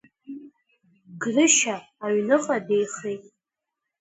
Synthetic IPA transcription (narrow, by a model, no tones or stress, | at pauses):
ɡrɨʃaː | ɥnɨqʼade̞jχejtʼ